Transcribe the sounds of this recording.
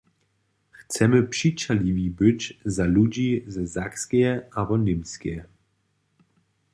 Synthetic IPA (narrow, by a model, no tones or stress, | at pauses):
xt͡sɛməpʂit͡ʃalivibɪt͡ɕzalud͡ʑizɛzakskɛɛabɔnɪmskɛjɛ